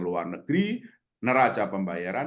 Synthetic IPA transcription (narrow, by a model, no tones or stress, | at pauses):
ŋluwa̰rnəɡ̥ɾi | nəɾḁt͡ʃapəmbajaɾa